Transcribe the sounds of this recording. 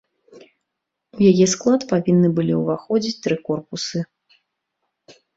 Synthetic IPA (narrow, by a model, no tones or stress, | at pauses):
ujajʲɛsklˠat̪pavʲinːɨbɨlʲḭuvaxɔd͡zʲit͡sʲt̪ɾɨkɔrpusɨ